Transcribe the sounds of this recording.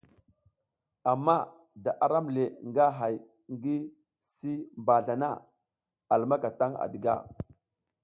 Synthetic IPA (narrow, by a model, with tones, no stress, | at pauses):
a˨mːa˦ | da˨ʔa˨ɾa˦mle˨ŋɡa˦ɦa˨j | ŋɡi˦ | si˦mba˨ɮa˨na̰˦ | a˨lma˦ka˨ta˦ŋa̰˨di˨ɡa̰˦˨